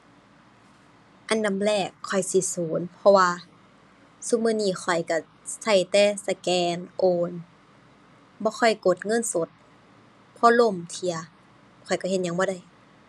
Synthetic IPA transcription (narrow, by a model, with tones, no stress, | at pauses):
ʔa˧˨nːa˧˥˨mlɛː˧˩kʰːɔ˨˩jsi˧˦suː˨˦npʰɔ˧waː˧ | su˧˦mɯː˧˥˨niː˧˩xʰɔ˨˩jka˧˩ | sa˧˩jt̪ɛː˧˩sa˧˩kɛː˧nʔoː˧n | bɔː˧˦xʰɔ˧˩jko˨˩t̪̚ŋɤ˧˥˨nso˨˦t̪̚ | pʰɔ˧˦lo˧˥˨mt̪ʰi˧˨ɐ | kʰɔ˨˩jkɔ˧˩˨he˧˦n̚ɲa˧˨ŋbɔː˧˦ɾa˧˩˨j